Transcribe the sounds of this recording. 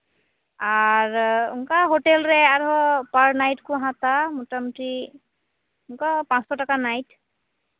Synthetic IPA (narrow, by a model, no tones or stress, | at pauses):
aɹuŋkaɦotɛlɹɛaɹɔpaɹnajtkʊɦãtamɔtamɔti | uŋkapãsɔtakanajt